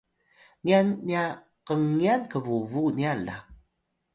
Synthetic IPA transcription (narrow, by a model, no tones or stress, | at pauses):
nianːia | qəŋːiankəvuvuniala̰